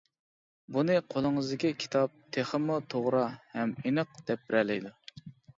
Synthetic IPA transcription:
bunɨqʰolˠɨŋɨzd̪ɪkʲikʲʰi̥t̪ʰɑp̚t̪ʰeχəmːut̪ʰoʁɾɑhɛmenəq̚d̪̥ɛp̚bɪɾɛlɪjd̪u

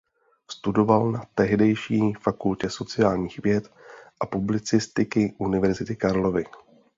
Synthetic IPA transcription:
st̪udo̞valnat̪ɛɦdɛjʃiːfakulcɛso̞t͡sɪjaːlɲiːxvjɛt̪ | ʔapublɪt͡sɪst̪ɪkɪʔunɪvɛɾzɪt̪ɪkaɾlo̞vɪ

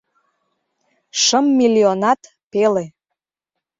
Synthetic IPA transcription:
ʃəmːilʲionɑt̪ | pele

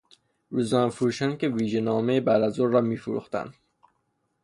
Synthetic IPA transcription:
ɾuzɒːnfuɾuːʃænkeviːʒenɒːmejebæɾd̪æzoːɒːmiːfuɾṵːxt̪æ̰nd̪̥

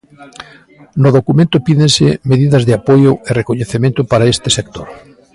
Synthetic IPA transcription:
nʊðokumẽnt̪ʊpiðẽnsɪmeðiðɐzðɪapojʊerekoɲeθemẽnt̪ʊpaɾaest̪ɪsek̚t̪oɾ

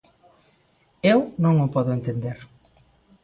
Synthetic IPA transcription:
ewnõŋʊpɔðʊent̪end̪eɾ

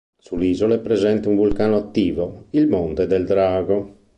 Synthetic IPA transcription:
suliːzolepɾezɛnt̪euɱvulkaːnoat̪ːiːvoilmont̪ed̪ɛld̪ɾaːɡo

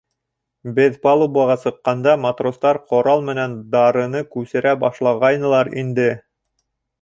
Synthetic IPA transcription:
bɘðpɑlˠubuɑʁɑsɤ̆qːɑnd̪ɑmat̪rost̪ɑɾqŏɾɑlˠmɘ̆nænd̪ɑɾɤ̆nɤkʉsɘ̆ɾæbɑʃlˠɑʁɑjnɤ̆lˠɑɾind̪ɘ

